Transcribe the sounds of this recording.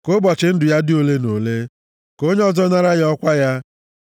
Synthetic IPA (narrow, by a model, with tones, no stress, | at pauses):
kʊ˦bɔ˨t͡ʃɪ˨˦n̩˦dʊ˨ja˦dɪ˦o˦le˦no˨le˦ | ko˦ɲe˦ɔ˦zɔ˦ɲa˦ɾa˦ɣɔ˦kʷa˦ja˦